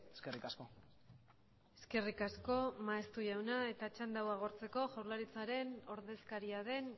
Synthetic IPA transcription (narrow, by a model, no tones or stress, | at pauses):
eskerikasko | e̞ske̞rikasko̞maest̪uʝawnae̞t̪at͡ʃand̪awaɣ̞oɾt͡se̞ko̞ʝawɾlaɾit͡saɾe̞no̞ɾðe̞skaɾiaðe̞n